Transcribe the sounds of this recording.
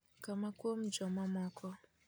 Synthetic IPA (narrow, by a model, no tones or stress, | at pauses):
kamakuɔm̩d͡ʒɔmamɔkʰɔ